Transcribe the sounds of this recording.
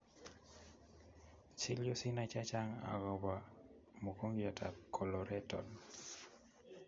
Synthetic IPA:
t͡ʃi˦ljo˦si˦na˦t͡ʃa˦t͡ʃa˦ŋa̰˨ɡɔ˨ba˨ | mo˨ko˦ŋɡja˨tʰa˨kʰɔ˨lɔ˨ɾɛ˦tɔ̰˨n

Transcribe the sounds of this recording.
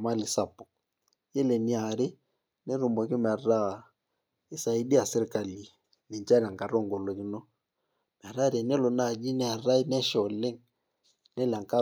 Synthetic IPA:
ma˦lɪ˨sa˨pɔ̥˨ | jɛ˦le˨ni˨˦a˨ɾɪ˦ | nɛ˦ɾu˨mbɔ˨kɪ˦m˨a˨ra˦˨ | ɪ˦sa˨i˦di˦a˨sɪ˦ɾɪ˨ka˨li˨ | ni˨nt͡ʃa˦ɾa˨ŋka˨ɾɔ˦˨ŋɡɔ˨lo˨ki˦nɔ˦ | mɛ˨a˨ɾa˦ɾɛ˨nɛ˦lɔ˨na˦˨d͡ʒi˦nɛ˦a˨ra˦i˦nɛ˦ʃɔ˨le˦ŋ | nɛ˦la˨ŋ˨ka˦

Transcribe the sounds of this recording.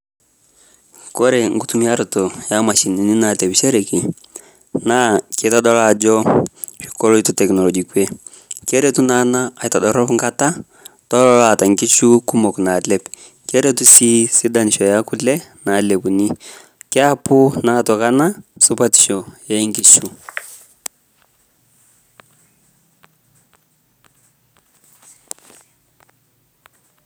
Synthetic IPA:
kɔ˦ɾɛ˨ŋɡu˦tu˦mi˦a˦ɾɔ˨tɔ˨ja˦ma˨ʃi˨ni˨ni˦na˨tɛ˨bʃɛ˦ɾɛ˨ki˨ | na˦kɪ˨˦ta˦dɔ˦la˨d͡ʒɔ˦ʃi̥˨kɔ˦lɔ˦i˦tu˦tɛ˨knɔ˨lɔ˨d͡ʒi˨kwe˦ | kɛ˦ɾe˦tu˦na˦naː˦˨jta˨dɔ˨ɾɔ˦pŋɡa˦ta˦ | tɔ˦lɔ˦la˨ta˨ŋki˦ʃu˦ku˦mɔ˨kna˨lɛ˦p | ke˦ɾe˦tu˦si˦si˦da˨n˨ʃɔ˨ja˦ku˦lɛ˦na˨le˨pu˨ni˦ | kɪ˦a˦pu˦na˨˦tɔ˨ka˦na˦su˦pa˦ti̥˨ʃɔ˨ja˦ŋɡi˦t͡ʃu˦

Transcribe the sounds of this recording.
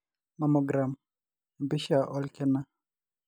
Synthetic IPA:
ma˨mɔ˨ɡɾa˨m˨ | mbi˦ʃa˨ʔɔ˦lkɛ˦na˦

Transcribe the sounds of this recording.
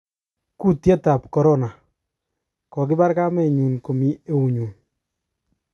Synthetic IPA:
ku˦tje˦ta˨p̚kɔ˨ɾɔ˦na˨ | kɔ˨kɪ˦ba˦ɾka˦mɛ˦˨ɲu˨nko˨mi˦e˦u˨ɲuː˨n

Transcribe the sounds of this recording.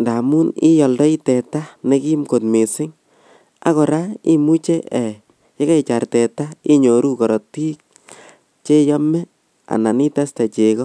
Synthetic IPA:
nda˨mu˦nḭ˦jɔ˨ldɔ˦i˦tɛ˨ta˦ne˧ki˦mko˨tme˨sɪ˦ŋ | a̰˦kɔ˨ɾa˦i˦mu˦t͡ʃɛ˦ʔɛ˨ | je˦ka˦i˨t͡ʃa˨rtɛ˨ta˦i˦ɲo˨ɾu˦kɔ˨ɾɔ˨ti˦k̚ | t͡ʃe˦jɔ˦mɛ˦ | a̰˨na˨ni˦ta˦sta˨t͡ʃe˨kɔ˦

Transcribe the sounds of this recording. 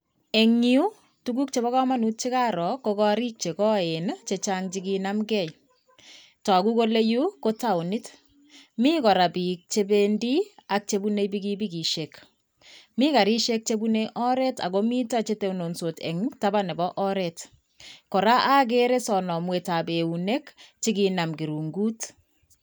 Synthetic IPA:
e˨ŋiu˦ | tuɡu˦k̚t͡ʃe˦bɔ˦ɣɔ˦ma˦nu˦t̚t͡ʃi˦ka˦ɾɔ˨ko˦kɔ˦ɾi˦k̚t͡ʃe˨kɔ˦e˨nt͡ʃe˨t͡ʃaŋt͡ʃi˦ɡi˧na˦mɡɛ˦j | tɔ˨ku˦ko˦le˦ju˦ko˦ta˦˨u˨ni˦t | mi˦kɔ˨ɾa˨bi˨k̚t͡ʃe˦be˦ndi˦a˦k̚t͡ʃe˦bu˦ne˦bi˦ɡi˦bi˦ɡi˨ʃe˨k | mi˦ka˨ɾi˦ʃe˦k̚t͡ʃe˦bu˦ne˦ʔɔ˦ɾɛ˦ta̰˨ko˦mi˦ta˦t͡ʃe˦te˨uno˨nso˨tɛ̰˨ŋta˦ba˦nɛ˨bɔ˦ʔɔ˦ɾɛt | kɔ˨ɾa˦ʔa˦k̬e˦ɾe˦sɔ˨nɔ˨mwe˨ta˨be˨u˨ne˦kt͡ʃiɡi˧na˨mɡi˨ɾu˨ŋɡu˦t

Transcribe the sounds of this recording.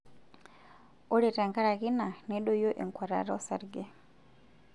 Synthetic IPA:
o˦ɾe˨ta˨ŋka˦ɾa˨ɣi˦na˨ne˦ɗo˦jo˦ʔe˨ŋkwa˨ɾa̰˨ɾɔ˦sa˨ɾɡe˦

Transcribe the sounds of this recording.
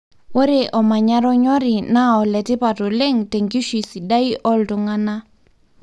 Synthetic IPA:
wo˦ɾɪ˦ʔɔ˨ma˨ɲa˦ɾɔ˦ɲɔ˦ɾɪ˨na˦ɔ˨lɛ˨tɪ˦pa˨tɔ˨le˦ŋte˨ŋɡi˦ʃi˨si˨da˦i˦ʔɔ˦ltʊ˨ŋa˦na˦

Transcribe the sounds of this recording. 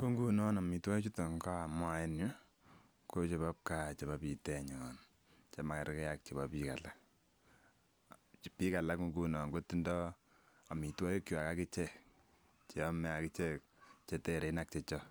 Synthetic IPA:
ko˦ŋɡu˦nɔ˦na˨mi˨twa˦jt͡ʃu˦to˨ŋɡa˦a˨mwa˦e˦nju˦ | ko˦t͡ʃe˨ba˦p̚ka˨t͡ʃe˨ba˦pi˨tɛ˨ɲɔn | t͡ʃe˦ma˨ka˨ɾkɛ˦ja˦k̚t͡ʃe˨ba˨pi˦ka̰˨la˦k | pi˦ka˨la˦ko˦ŋɡu˦nɔ˨ŋɡo˦ti˦ndɔ˦ | a˨mi˨twɔ˦jo˦kjo˨a˨ka˦kɪ˦t͡ʃɛ˨ | t͡ʃe˨ɔ˦mɛ˨a˨kɪ˦t͡ʃɛ˦k̚t͡ʃe˦tɛ˦˨ɾe˨˦na˦k̚t͡ʃɛ˦t͡ʃɔ˦

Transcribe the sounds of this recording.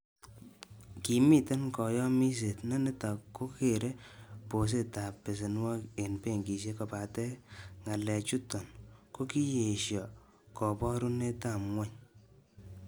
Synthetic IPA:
ki˨mi˦te˦nkɔ˨jɔ˦mi˦s̬e˨tnɛ˦nɪ˦ta˨kːo˦ke˨ɾe˦po˨s̬e˦ta˨pːɪ˨s̬ɪ˨nwa˦ke˨npe˦˨ŋɡi˨s̬e˦kɔ˨pa˨tɛ˦ŋa˨lɛ˨t͡ʃu˦tɔ˨nko˦ki˦je˨ʃjɔ˨ | kɔ˨pɔ˦ɾu˦ne˦ta˦˨mwa˦ɲ

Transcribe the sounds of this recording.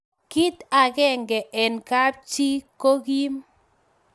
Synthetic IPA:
ki˦t̪a˨ɡɛ˦ŋɡɛ˨ʔɛ˨nka˦p̚t͡ʃi˦ko˦ɡi˦m

